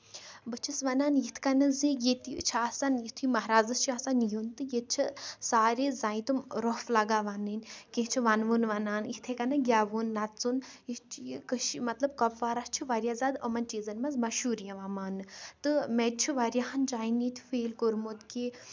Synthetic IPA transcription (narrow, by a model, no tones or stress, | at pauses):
bɨt͡ʃʰisʋɐnaːnjit̪ʰkɐnɐzijet̪it͡ʃʰasanjit̪ʰimɐɦɾaːzɨst͡ʃʰiasanjunt̪ɨjet̪̚t͡ʃʰisaːɾeːzaːĩt̪umɾoflaɡaːʋanɨnʲkẽt͡ʃʰiʋɐnʋunʋɐnaːnjit̪ʰekɐnɐɡʲaːʋunːɐt͡sunjist͡ʃʰkɨʃimɐt̪lɐb̚kɐpʋaːɾɐst͡ʃʰiʋaɾjaːzad̪əmɐnt͡ʃiːzɐnmɐzmɐʃuːɾijɐ̃ʋamaːnɨt̪ɨmed̪̚t͡ʃʰiʋaɾjaɦɐnd͡ʒaːjnit̪ʰʲfeːlkoɾmot̪ke